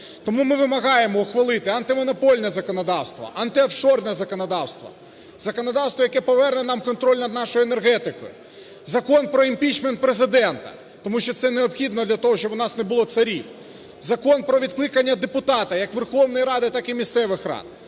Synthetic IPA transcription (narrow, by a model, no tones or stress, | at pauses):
t̪ɔmumɪʋɪmɐɣɑjemɔuxʋɐlˠɪt̪ɪɐnt̪ɪmɔnɔpɔlʲnɛzɐkɔnɔd̪ɑwst̪ʋɐ̰ʔɐnt̪ɪɐfʃɔrnɛzɐkɔnɐd̪ɑwst̪ʋɐ̰ | zɐkɔnɐd̪ɑwst̪ʋɔjɐkɛpɔʋɛrnɛnɑmkɔnt̪ɾɔlʲnɐd̪nɑʃɔjʊenerɦɛt̪ɪkɔ̰jʊ̰ | zɐkɔnpɾɔimʲpʲit͡ʃment̪̚pɾezɪd̪ɛnt̪ɐ̰ | t̪ɔmuʃt͡ʃːɔt̪sɛneɔpxʲid̪nɔd̪lʲɐt̪ɔɦɔʃt͡ʃɔbʊnɑsnebʊlˠɔt̪sɐɾʲiw | zɐkɔnpɾɔʋʲit̪klˠɪkɐnʲːɐd̪epʊt̪ɑt̪ɐjɐkʋerxɔwnɔjɾɑd̪ɪt̪ɑkɪmʲist̪sɛʋɪxrɑ̰d̪